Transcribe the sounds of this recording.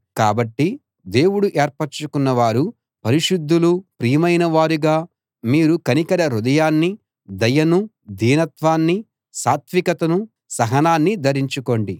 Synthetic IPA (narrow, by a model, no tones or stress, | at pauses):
kaːbɐʈːi | d̪e̞ːwuɽuʔeːɾpɐɾt͡ʃukunːɐʋaːɾu | pɐɾiʂud̪ʱːulupɾiːjɐmɐjnɐʋaːɾuɡaː | miːɾukɐnikɐɾɐɾud̪ɐjaːnːi | d̪ɐjɐnu | d̪ʱiːnɐt̪ʋaːnːi | saːt̪ʰʋikɐt̪ɐnu | sɐɦɐnaːnːid̪ɐɾiɲt͡ʃuko̞ːɳɖi